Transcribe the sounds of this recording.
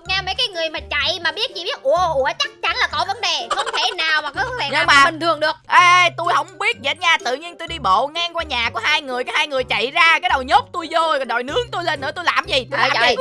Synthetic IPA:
ɲaː˧mə˨˦jkaː˨˦jŋɨ˨˩əjmaː˨˩t͡ɕa̰˧˨jmaː˨˩ɓi˦˥ət̚t͡ɕḭ˧˩ɓi˦˥ət̚ʔu˧˩ə˧ʔu˧˩ət͡ɕa˦˥k̚t͡ɕa˧˦nlaː˨˩kɔ˧˦və˨˦nɗe˨˩xə˧wŋ͡mt̪ʰe˧˩naː˨˩wmaː˨˩kɔ˧˨˦ɛː˨˩ɲɨ˧˨maː˨˩i˨˩ŋt̪ʰɨ˨˩əŋɗɨ˨˩əʔe˧t̪u˧jhə˧˦wŋ͡mɓi˦˥ət̚zə̰˨˩t̚ɲaː˧˩t̪ɨ̰˧˨ɲi˧ənt̪u˧jɗi˧ɓo̰˧˨ŋaː˧ŋkwaː˧ɲaː˨˩ku˨˩˦haː˧jŋɨ˨˩əjkaː˨˦haː˧jŋɨ˨˩əjt͡ɕa̰˧˨jzaː˧kaː˨˦ɗə˨˩wɲo˦˥p̚t̪u˧jzo˧˨˩ɗɔ˨˩jnɨ˨˦əŋt̪u˧jle˧nːɨ̰˧˥ət̪u˧jlaː˨˩mzi˨˩t̪u˧jlː

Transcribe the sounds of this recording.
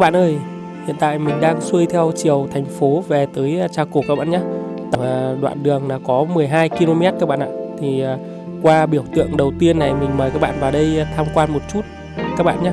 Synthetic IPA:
ɓa̰ː˧˨nʔəː˧j | hḭ˧˨ənt̪a̰ː˧˨jmï˨˩ŋ̟ɗaː˧ŋswu˧jt̪ʰɛ˧wt͡ɕi˨˩əwt̪ʰa˨˩jŋ̟fo˨˦ve˨˩t̪əː˨˦jt͡ɕaː˧˩ku˧˩kaː˦˥ɓaː˧˨ɲaː˧t̪ə˧˨˩ɗwa̰ː˧˨nɗɨ˨˩əŋlaː˨˩kɔ˨˦mɨ˨˩əjɦaː˧jki˧lo˧mɛ˦˥t̚kaː˦˥k̚ɓa̰˧˨ʔa̰ː˧˨t̪ʰi˨˩˨ | kwaː˧ɓi˧˩əwt̪ɨ̰˧˨əŋɗə˨˩wt̪i˧ənːa˨˩jmi˨˩ŋ̟məː˨˩kaː˦˥k̚ɓa̰ː˧˨nvaː˨˩ɗə˧jt̪ʰaː˧mkwaː˧nmo˨˩t̚t͡ɕu˦˥t̚ | kaː˦˥k̚ɓa̰ː˧˨nɲaː˧˦

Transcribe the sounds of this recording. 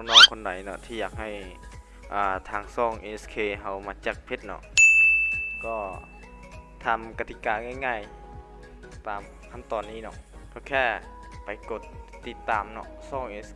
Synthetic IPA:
nɔː˧˨ŋkʰo˧˨nda˨˦jnɔ˧t̪ʰiː˧jaː˧˩k̚ha˨˩j | ʔaː˨˧˩t̪ʰaː˧ŋsɔː˧˩˨ŋʔe˧˨˧skʰeː˧˩ɦa˧˩wmaː˧˥t͡ɕa˨˧˩k̚pʰe˧˦t̪̚nɔ̰˧ʔ | kɔː˧˩ | t̪ʰa˧˩mka˧t̪ʰi˧˨kaː˨˧˨ŋa˧˥˨jŋaː˧˩˨j | t̪aː˨m | kʰa˧˥˨mt̪ɔː˨˩nːiː˧˨nɔ̰˧ʔkʰa˧˩wkʰɛː˧˥˩ | pa˨˦jko˧˩t̪̚ːi˧˩t̪ːaː˨mnɔ̰˧ʔsɔː˧˩˨ŋʔe˧s

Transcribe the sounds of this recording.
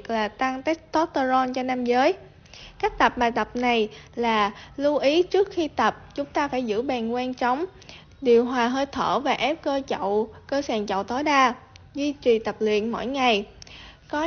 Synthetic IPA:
k̚laː˨˩t̪a˧ŋt̪ɛ˦˥t̚t̪ɔ˦˥t̚t̪ə˧zɔ˧nt͡ɕɔ˧naː˧mzəː˨˦j | kaː˦˥k̟̚t̪ə˨˩p̚ɓaː˨˩jt̪ə˨˩p̚na˨˩jlaː˨˩lu˧ʔi˨˦t͡ɕɨ˦˥ək̚xi˧t̪ə˨˩p̚t͡ɕʊ˨˦ŋ͡mt̪aː˧faː˧˩jzɨ̰˧˥ɓɛ˨˩nkwɛ˧nt͡ɕɔ˨˦wŋ͡m | ɗi˨˩əwɦwaː˨˩ɦəː˧jt̪ʰə̰ː˧˩vaː˨˩ʔɛ˦˥p̚kəː˧t͡ɕə̰˧˨wkəː˧saː˨˩nt͡ɕə̰˧˨wt̪o˨˦jɗaː˧zwi˧t͡ɕi˨˩t̪ə˨˩p̚lḭ˧˨ənmo̰˧˥˨jŋa˨˩jkɔ˨˦

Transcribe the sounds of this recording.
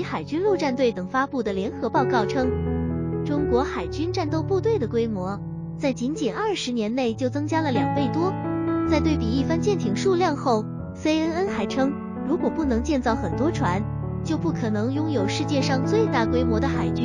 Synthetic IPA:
i˧˥xa˨˩ɪt͡ɕy˥nlu˥˧ʈ͡ʂa˥˧nt̪̬we˥˩ɪt̪ɤ˨˩ŋfa˥pu˥˩d̪ə˩ljɛ˧˥nxɤ˧˥pɑ˥˧ʊkɑ˥˩ʊʈ͡ʂʰɤ˥ŋ | ʈ͡ʂʊ˥ŋkwɔ˧˥xa˨˩ɪt͡ɕy˥nʈ͡ʂa˥˧nt̪o˥˧ʊpu˥˧t̪̬we˥˩ɪd̪ə˩kwe˥ɪmwɔ˧˥ | t͡sa˥˩ɪt͡ɕi˧˥nt͡ɕɛ˨˩nɐ˞˥˩ʂɻ̩˧˥njɛ˧˥nne˥˩ɪt͡ɕjo˥˩ʊt͡sɤ˥ŋt͡ɕja˥lə˨˩ljɑ˨˩ŋpe˥˩ɪt̪wɔ˥t͡sa˥˧ɪt̪we˥˩ɪpi˨˩i˥˩fa˥nt͡ɕjɛ˥˩nt̪ʰi˨˩ŋʂu˥˧ljɑ˥˧ŋxo˥˩ʊ | fe˥ɪə˥nə˥nxa˧˥ɪʈ͡ʂʰɤ˥ŋ | ɻu˧˥kwɔ˨˩pu˥˩nɤ˧˥ŋt͡ɕjɛ˥˧nt͡sɑ˥˩ʊxə˨˩nt̪wɔ˥ʈ͡ʂʰwa˧˥n | t͡ɕjo˥˧ʊpu˥˩kʰɤ˨˩nɤ˧˥ŋjʊ˥ŋjo˨˩ʊʂɻ̩˥˧t͡ɕjɛ˥˧ʂɑ˥˧ŋt͡swe˥˧ɪt̪a˥˩kwe˥ɪmwɔ˧˥d̪ə˧xa˨˩ɪt͡ɕy˥n

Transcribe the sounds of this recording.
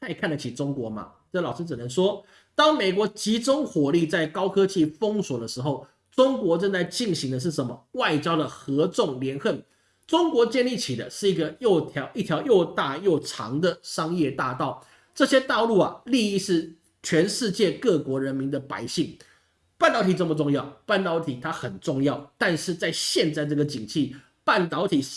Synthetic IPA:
a˥˩ɪkʰa˥˩nlə˩t͡ɕʰi˨˩ʈ͡ʂʊ˥ŋkwɔ˧˥˦mɐ̰˨ | ə˥˩lɑ˨˩ʊʂ̩˥t͡s̩˨˩nə˧˦nʂwɔ˥ | t̪ɑ˥ŋme˨˩ɪkwɔ˨˧˥t͡ɕi˧˥ʈ͡ʂʊ˥ŋxwɔ˨˩li˥˧t͡sa˥˩ɪkɑ˥ʊkʰɤ˥t͡ɕi˥˩fɤ˥ŋswɔ˨˩d̪ə˦ʂɻ̩˧˦xo˥˩ʊ | ʈ͡ʂʊ˥ŋkwɔ˧˥ʈ͡ʂə˥˧nt͡sa˥˧ɪt͡ɕi˥˩nɕi˧˥ŋd̪ə˧ʂ̬ɻ̩˥˩ʂə˧˩nmə˧˦wa˥˩ɪt͡ɕjɑ˥ʊd̪ə˨xɤ˧˥ʈ͡ʂʊ˥˩ŋljɛ˧˥nxə˥˩n | ʈ͡ʂʊ˥ŋkwɔ˧˥t͡ɕjɛ˥˧nli˥˩t͡ɕʰi˨˩d̪ə̰˦ʂɻ̩˥˩i˧˥ɡə˧jo˥˧ʊt̪ʰjɑ˧˥ʊi˥˩t̪ʰjɑ˧˥ʊjo˥˧ʊt̪a˥˧jo˥˨˩ʊʈ͡ʂʰɑ̰˧˥ŋd̪ə˨ʂɑ˥ŋjɛ˥˧t̪a˥˧t̪ɑ˥˩ʊ | ʈ͡ʂɤ˥˩ɕjɛ˥t̪ɑ˥˧ʊlu˥˩ɐ˩li˥˧i˥˧ʂɻ̩˥˩ | t͡ɕʰɥɛ˧˥nʂɻ̩˥˧t͡ɕjɛ˥˧kɤ˥˩kwɔ˧˥ɻə˧˥nmi˧˥nd̪ə˨pa̰˧˥ɪɕi˥˩ŋ | pa˥˩nt̪ɑ˧˥ʊt̪ʰi˨˩ʈ͡ʂə˥˩mə˩ʈ͡ʂʊ˥˧ŋjɑ˥˩ʊpa˥˩nt̪ɑ˧˥ʊt̪ʰi˨˩t̪ʰa˥xə˨˩nʈ͡ʂʊ˥˧ŋjɑ˥˩ʊt̪a˥˧nʂɻ̩˥˧t͡sa˥˧ɪɕjɛ˥˧nt͡sa˥˧ɪʈ͡ʂɤ˥˩ɡə˩t͡ɕi˨˩ŋt͡ɕʰi˥˩ | pa˥˩nt̪ɑ˧˥ʊt̪ʰi˨˩

